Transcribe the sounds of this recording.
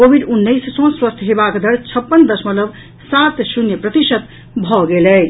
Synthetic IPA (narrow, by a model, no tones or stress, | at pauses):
kobʱiɖunːəjssõswəst̪ʰɦebakd̪ʱəɽt͡sʰʌpːənd̪ʌsmələb | sat̪sunjəpɾət̪isət̪ | bʱɔɡelə